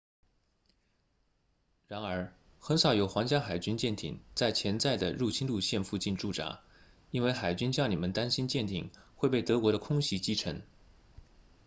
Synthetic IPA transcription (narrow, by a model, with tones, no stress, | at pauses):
ɻa˧˥nə˞˧˥ | xə˧˥nʂɑ˨˩˥ʊjo˨˧˩ʊxwɑ˧˥ŋt͡ɕja˥xa˨˩ɪt͡ɕy˥nt͡ɕjɛ˥˩nt̪ʰḭ˨˩˦ŋt͡sa˥˩ɪt͡ɕʰjɛ˧˥nt͡sa˥˩ɪd̪ə˩ɻu˥˩t͡ɕʰi˥nlu˥˧ɕjɛ˥˧nfu˥˧t͡ɕi˥˧nʈ͡ʂu˥˩ʈ͡ʂa̰˧˥ | i˥nwe˥˩ɪxa˨˩ɪt͡ɕy˥nt͡ɕjɑ˥˧ʊni˨˩mə˦nt̪a˥nɕi˥nt͡ɕjɛ˥˩nt̪ʰḭ˨˩ŋxwe˥˧ɪp̬e˥˩ɪt̪ɤ˧˥kwɔ˧˥ɾə˧kʰʊ˥ŋɕi˧˥t͡ɕi˥ʈ͡ʂʰɤ˧˥ŋ